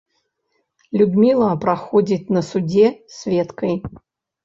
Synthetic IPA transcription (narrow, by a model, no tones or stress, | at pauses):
lʲud̪mʲilˠɐpɾaxɔd͡zʲit͡sʲnɐsud͡zʲɛsʲvʲɛt̪kɐj